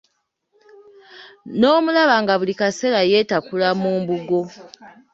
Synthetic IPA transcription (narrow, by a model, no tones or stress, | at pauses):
no̞ːmulaβaŋɡaβulikase̞laje̞ːtakulamuːmbuɡo̞